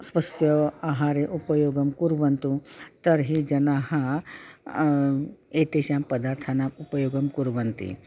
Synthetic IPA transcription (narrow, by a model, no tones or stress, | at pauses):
sʋɐsjɐaːɦaːɾeʔupɐjoːɡɐmkuɾʋɐnt̪ut̪ɐɾɦid͡ʒɐnaːhɐ | eːt̪eːʃaːmpɐd̪aːɾt̪ʰɐnaːmupɐjoːɡɐmkuɾʋɐnt̪ḭ